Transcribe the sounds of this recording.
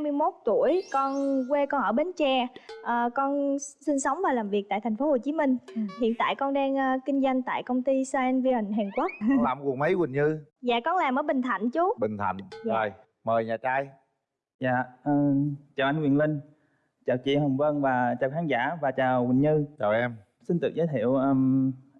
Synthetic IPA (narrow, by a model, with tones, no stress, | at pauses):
a˧mɨ˧jmo˦˥t̚t̪u˧˩əjkɔ˧nkwe˧kɔ˧nʔəː˧˩ɓe˨˦nt͡ɕɛː˧ʔəː˨˩kɔ˧nsi˧nsə˨˦wŋ͡mvaː˨˩laː˨˩mvi˨˩əa̰ː˧˨jt̪ʰŋ̟fo˨˦ho˨˩t͡ɕi˨˦mï˧ŋ̟hḭ˧˨ənt̪a̰ː˧˨jkɔ˧nɗaː˧ŋː˧ki˧ŋ̟za˧jŋ̟t̪a̰ː˧˨jkə˧wŋ͡mt̪i˧saː˧ʔɛ˧nvi˧ə˨˩ŋɦɛː˨˩ŋkwə˦˥t̚laː˨˩mku˨˩ŋmə˨˦jwï˨˩ŋɲɨ˧zaː˧˨kɔ˧nlaː˨˩mʔəː˧˨˦ɓï˨˩ŋ̟t̪ʰa̰˧˨jŋ̟t͡ɕu˨˦ɓï˨˩ŋ̟t̪ʰa̰˧˨ŋə˨˩j | məː˨˩jɲaː˨˩t͡ɕaː˧j | za̰ː˧˨ʔəː˨˩t͡ɕaː˨˩wʔa˧jŋwḭ˧˩ənlï˧ŋ̟ | t͡ɕaː˨˩wt͡ɕḭ˧˨ɦə˨˩wŋ͡mvə˧nvaː˨˩t͡ɕaː˨˩wxaː˨˦nza̰ː˧˥vaː˨˩t͡ɕaː˨˩wwï˨˩ŋ̟ɲɨ˧t͡ɕaː˨˩wʔɛ˧m | si˧nt̪ɨ˨˩ək̚zəː˨˦t̪ʰḭ˧˨əwʔəː˧m